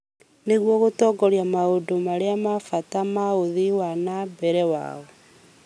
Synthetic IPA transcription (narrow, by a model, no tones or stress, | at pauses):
neɣwɔɣotɔɡɔɾjamaodomaɾeamafatamaoðiwanabɛɾɛwa̰ɔ